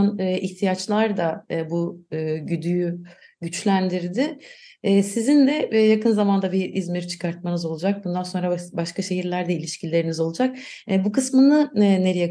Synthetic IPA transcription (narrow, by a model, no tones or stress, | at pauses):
nːʔiçt̪ʰijat͡ʃlˠaɾd̪abuːɟyd̪yjy | ɟyt͡ʃlʲænd̪iɾd̪ɪɛsizind̪ɛjakɯnzamand̪abiizmiɾt͡ʃʰɯ̥kʰaɾt̪̚manɯzo̞lˠud͡ʒak̚bund̪anso̞nɾabaʃkaʃe̞ɦiɾlʲæɾd̪ɛilʲiʃcilʲe̞ɾinizo̞lˠud͡ʒak̚ː | bukɯsmɯnɯne̞ɾejɛ